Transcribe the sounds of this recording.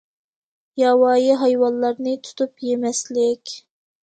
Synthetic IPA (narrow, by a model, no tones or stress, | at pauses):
jɑwɑːjiɦɑjwɑllːɑɾnɨt̪ʰu̥t̪upjemɛslɪkʲ